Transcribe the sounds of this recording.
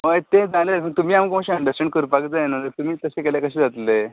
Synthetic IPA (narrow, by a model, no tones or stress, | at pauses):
məjt̪ed͡zaleməɡt̪um̤iːamkəmaɕiəɳɖəsʈẽɳɖkəɾupakd͡zaenolət̪umiːt̪əsekeljakəɕeːd͡zat̪le